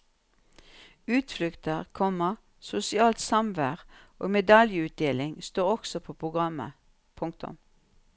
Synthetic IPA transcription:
ʉːt̪flʏkt̪əʁkʰɔməʁ | sʊsɪɑːlt̪sɑmʋæːʁʔo̰ːmɛd̪ɑljəʉːt̪̚d̪eːlɪŋst̪oːʁɔksɔpʰoːpʰʁʊɡʁɑmə̰ | pʰʊŋk̚t̪ʊ̰m

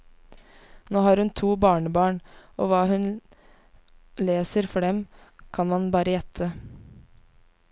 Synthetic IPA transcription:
noːhɑːɾʉnt̪ʰuːbɑːɳəbɑːɳʔo̰ːʋɑːhʉn | leːsəɾfɔɖɛmkʰɑnmɑnbɑːɾəjɛt̪ʰə

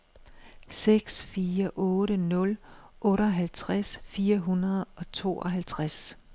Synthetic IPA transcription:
seɡ̥sfiːɐʔɔ̽ːɾənɔ̽l | ʔɔ̽ːɾəɒɦælt͡sʰʁasfiːɐɦunɐð̞ˠɒ̽t͡sʰo̝̰ːɒ̽ɦælt͡sʰʁas

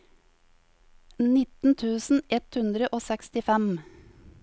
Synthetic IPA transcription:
nɪt̪n̩t̪ʰʉːsn̩ɛt̪hʉnd̪ɾəʔoːsɛkst̪ɪfɛm

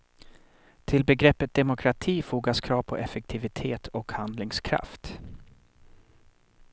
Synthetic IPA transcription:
t̪ʰɪlbɛɡɾɛpːət̪̚d̪ɛmʊkʰɾat̪ʰiːfuːɡaskʰɾɑːvpʰɔ̰ʔɛfɛk̚t̪ʰɪvɪt̪ʰeːt̪ʰɔkhand̪lɪŋskʰɾa̰ft̪

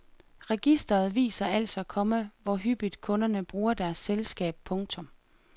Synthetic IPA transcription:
ʁɛɡ̥isd̥ɐð̞̩ˠʋḭːsɐæl̰sɒ̽ækʰɒ̽məʋɒɦyb̥id̥kʰɔ̽nɐnəb̥ʁuːɐd̥æɐsːelsɡ̥ɛ̰ːb̥̚pʰɔ̽ŋt͡sʰɔ̽m

